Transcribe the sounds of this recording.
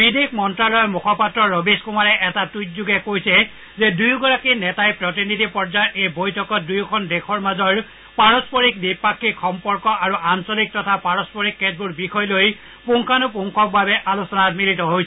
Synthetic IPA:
bidekʰmɔntɹalɔjmukʰɔpatɹɔɹɔbiskumaɹɛʔɛtatut̚zuɡɛkojsɛ | zɛdujɡɔɹakinɛtajpɹɔtinitipɔɹd͡ʒaɹʔejbojtʰɔkɔt̚dujkʰɔndekʰɔɹmazɔɹ | paɹɔspɔɹik̚dipakʰːixɔmpɔɹkɔʔaɹuʔansɔlik̚tɔtʰapaɹɔspɔɹikːet̚buɹbikʰɔjloj | puŋkʰanʊp̬uŋkʰɔk̚babɛʔalosɔnatmilitɔɦojsɛ

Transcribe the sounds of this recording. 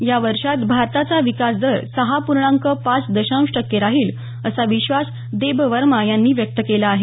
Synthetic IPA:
jaʋəɾʂat̪bʱaɾt̪at͡saʋikas̬d̪əɾsəɦapuɾɳãŋkəpat͡sd̪əɕãw̃ʂʈəkːeɾaɦiːl | əsaʋiɕʋas | d̪ebʋəɾmajanːiːʋjək̚t̪əkelaːɦe

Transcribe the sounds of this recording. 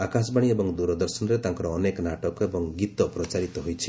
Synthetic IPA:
akas̬baɽ̃iebɔŋd̪uɾɔd̪ɔɾsɔnɔɾet̪aŋkɔɾɔːnekɔnaʈɔkebɔŋɡit̪ɔpɾɔt͡ʃaɾit̪ɔɦojt͡ʃʰi

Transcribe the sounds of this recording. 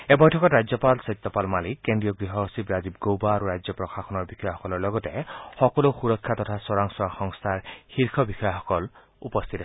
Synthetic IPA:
ebɔjtʰɔkɔtɾazjɔpalsɔjt̪ːɔpalmalikːendɹijɔɡɾiɦɔɦosibɾazibɡowbaːɾuɾajd͡ʒjɔpɹɔxaxʰɔnɔɹbixʰɔjaxɔkɔlɔɹlɔɡɔtexɔkɔloxuɾɔkʰːat̪ɔtʰasɔɾaŋsɔaxɔŋst̪ʰaɹhiɾkʰɔbixɔjaxɔkɔl | ṵpɔst̪ʰit̪ɾe

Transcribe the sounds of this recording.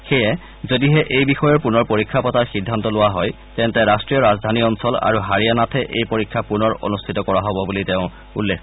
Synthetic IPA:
xɛjɛ | zodiɦɛʔejbixɔjɔɹpunɔɹpoɹikʰːapɔtaɹxidʱːantɔlʊwaɦɔj | tɛntɛɹastɹijɔɹazdʱaniɔnsɔla̰ɹuɦaɹianatʰɛʔḛjpoɹikʰːapunɔɹo̰nustʰitɔkɔɹaɦɔbɔbulitɛʊ̃ | ṵlːek

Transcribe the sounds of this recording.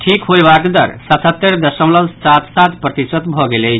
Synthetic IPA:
ʈʰikɦojbakd̪ʌ̰ɾsʌt̪ʰət̪ːeɾd̪əsəmlʌlsat̪sat̪pɾət̪isət̪bʱɔɡelej

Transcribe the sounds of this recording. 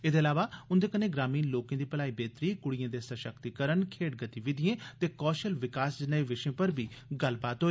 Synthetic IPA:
eːd̪eːəlaːʋaːʊnd̪eːkəneːɡɾaːmiːnloːkãːd̪iːpəlaːiːbeːt̪ɾiːkʊɽɪjãːd̪eːsəʃəkt̪ikəɾənkʰeːʈɡət̪iːʋɪd̪ɪjẽːt̪eːkɔːʃəlʋɪkaːsd͡ʒɪnaeːʋɪʃẽːpəɾbʱiːɡəlpaːt̪ɦoːeː

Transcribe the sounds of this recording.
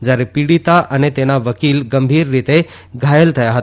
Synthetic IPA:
d͡ʑaːɾepiɽit̪aʔənet̪enaʋəkiːlɡəmbʱiːɾːit̪e | ɡʱaːjəlt̪ʰɐjaɦət̪

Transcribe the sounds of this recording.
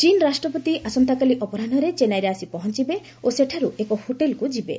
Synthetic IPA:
t͡ʃinɾasʈɾɔpɔt̪iʔasɔnt̪akaliʔɔpɔɾanɔɾet͡ʃenajɾeasipɔɦɔnt͡ʃibe | oseʈʰaɾuekɔhoʈelkud͡ʒibḛ

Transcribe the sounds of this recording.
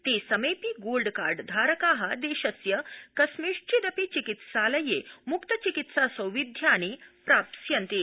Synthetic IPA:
t̪esəmejpiːɡolɖkaɾɖd̪ʱaːɾəkaːɦad̪eːɕəsjəkɐsmiʂt͡ɕid̪əpit͡ɕikit̪saləjemukt̪ət͡ɕikit̪sasə̃wʋid̪ʱjaːñepɾapsjɐnt̪e

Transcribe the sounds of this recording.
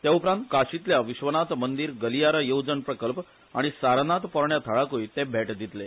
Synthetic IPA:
t̪jaupɾãnt̪kaɕit̪ljaʋiɕʋənat͡s̪mənd̪iːɾɡəlijaɾajowd͡zənpɾəkəlp | a̰ɽ̃isaɾnat̪pɔɾɳjat̪ʰəɭakoit̪ebʱeʈd̪it̪le

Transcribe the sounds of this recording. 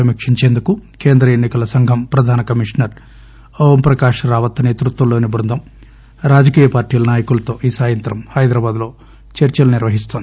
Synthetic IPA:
ɐmikʂiɲt͡ʃeːnd̪ukukeːnd̪ɾɐenːikɐlɐsɐŋɡʱɐmpɾɐd̪ʱaːnɐkɐmiʂnɐɾ | oʋɐmpɾɐkaːʂɐɾaːʋɐt̪ːɐne̞ːt̪ɾut̪ʋɐlːoːnibɐnd̪ɐm | ɾaːd͡ʒɐkiːjɐpaːɾʈiːlɐnaːjɐkulɐt̪o̞ːʔiːsaːjɐnt̪ɾɐmhɐjd̪ɾaːbaːd̪lo̞ː | t͡ʃɐɾt͡ʃɐlɐniɾʋɐɦist̪oːnd̪i

